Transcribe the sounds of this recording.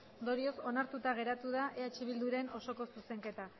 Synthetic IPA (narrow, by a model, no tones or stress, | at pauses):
nd̪o̞ɾio̞so̞naɾt̪ut̪aɣ̞e̞ɾat̪uð̞aʔeet͡ʃiβ̞ild̪uɾe̞no̞so̞ko̞suse̞ŋke̞t̪a